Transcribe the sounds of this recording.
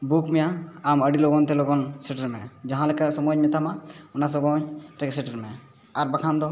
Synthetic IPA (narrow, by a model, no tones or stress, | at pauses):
bukmɛjaaməɖiloɡɔnt̪ɛloɡɔnseʈəɾmɛd͡ʒaɦãlekasɔmɔɲmɛt̪amaunas̬ɔɡɔɲɾɛksɛʈəɾmɛ | aɾbakʰamd̪ɔ